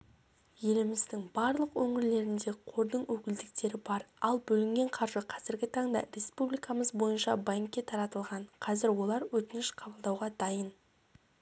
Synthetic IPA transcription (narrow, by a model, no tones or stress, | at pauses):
je̞lɪmɪzd̪ɪŋbɑɾlˠəqwɵŋɪɾle̞ɾɪnd̪e̞qʰo̞ɾd̪əɴwɵkʲɪld̪ɪk̚t̪e̞ɾɪbɑɾɑlˠbɵlɪŋɡʲe̞ɴqʰɑɾʒəqʰɑzɪɾɡʲɪt̪ʰɑɴd̪ɑ̰ɾe̞spublijkɑməzbo̞jənʃɑbaŋkʲːe̞t̪ʰɑɾɑt̪əlˠʁɑɴqʰɑzɪɾwo̞lˠɑɾwɵt̪ɪnɪʃqʰɑbəlˠd̪ɑwʁɑd̪ɑjən